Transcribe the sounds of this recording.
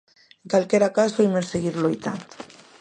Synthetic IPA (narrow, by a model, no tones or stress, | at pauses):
eŋkalkeɾakazβojmeseɣiɾlojt̪a̰nd̪